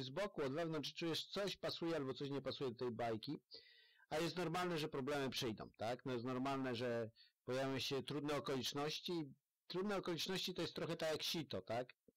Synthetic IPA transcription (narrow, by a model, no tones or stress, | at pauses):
zbɔkuɔd̪vɛvnɔntt͡ʂʂt͡ʂujɛʂt̪sɔɕpasujɛalbɔt̪sɔɕɲɛpasujɛd̪ɔt̪ɛjbajkʲi | ajɛst̪nɔɾmalnɛʐɛpɾɔblɛmɘpʂɘjd̪ɔ̰̃w̃t̪aknɔjɛst̪nɔɾmalnɛʐɛpɔjavʲjɔ̃wɕɛt̪ɾud̪nɛɔkɔlʲit͡ʂnɔɕt͡ɕi | t̪ɾud̪nɛɔkɔlʲit͡ʂnɔɕt͡ɕit̪ɔjɛst̪ːɾɔxɛt̪akjakɕit̪ɔt̪ak